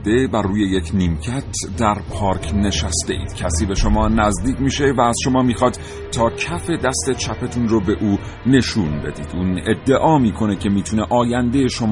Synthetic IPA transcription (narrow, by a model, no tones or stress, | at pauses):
d̪e̞bæruːje̞je̞cʰniːmcʰæt̪ʰd̪æɾpʰɒːɾkʰne̞ʃæst̪e̞ḭːd̪̥cʲʰæsiːbe̞ʃo̞mɒːnæzd̪iːcmiːʃe̞væːz̥ʃo̞mɒːmiːxɒːd̪̥ | t̪ʰːɒːcʰæfe̞d̪æst̪e̞t͡ʃʰæpʰet̪ʰunrobe̞ʔuː | ne̞ʃuːnbe̞d̪iːd̪uːne̞d̪ːe̞ʔɒːmiːkʰo̞ne̞cʰe̞miːt̪ʰuneʔɒːjænd̪e̞jeʃo̞mː